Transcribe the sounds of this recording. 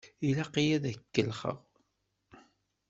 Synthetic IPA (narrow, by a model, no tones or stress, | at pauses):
ilæqijæðækːəlχə̰ʁ